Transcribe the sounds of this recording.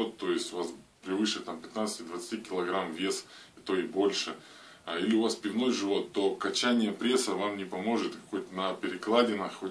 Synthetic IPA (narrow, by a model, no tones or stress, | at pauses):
ot̪ːo̞jɪsʲtʲʊvaspɾʲɪvɨʂɨt̪ampʲɪt̪nat̪sɨ̥tʲɪd̪vət̪stʲikʲɪlˠɐɡɾamvʲe̞s | it̪o̞ɪbo̞lʲʂɨ | ilʲɪʊvaspʲɪvno̞jʐɨvo̞t̪ːo̞kɐt͡ɕænʲɪjəpɾʲe̞səvamnʲɪpɐmo̞ʐɨt̪kɐ̥ko̞jt̪ənɐpʲɪɾʲɪklˠadʲɪnaxxo